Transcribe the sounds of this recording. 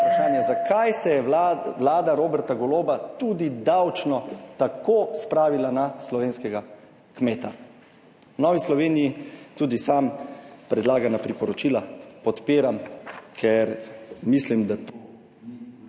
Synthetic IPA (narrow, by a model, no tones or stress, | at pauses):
pɾaʃaːnjazakʰajsɛjɛʋlaːd̪aɾoːbɛɾt̪aɡɔloːbat̪ud̪id̪awt͡ʃnɔt̪akoːspɾaːʋilanaslɔʋeːnskɛɡa | kmeːt̪a | nɔʋislɔʋeːnijit̪uːd̪isampɾɛd̪laːɡanapɾipɔɾɔt͡ʃiːlapɔt̪peːɾamkʰɛɾmislimd̪at̪o